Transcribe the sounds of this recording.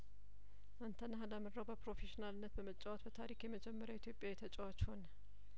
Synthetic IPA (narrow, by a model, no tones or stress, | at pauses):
ʔant̪ʰənːəɦaləmɨɾːəwbəpɾo̞feʃinalɨnːət̪bəmət͡ʃʼːawat̪bət̪ʰaɾikjɛməd͡ʒɛmːəɾjait̪ʰjo̞pʼjajɛt̪ʰət͡ʃʼəwat͡ʃːhonə